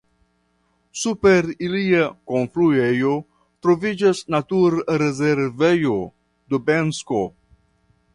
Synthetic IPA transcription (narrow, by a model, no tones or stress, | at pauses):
supeɾiliakonfluejo | t̪ɾovid͡ʒasnat̪uɾɾezeɾvejo | d̪obensko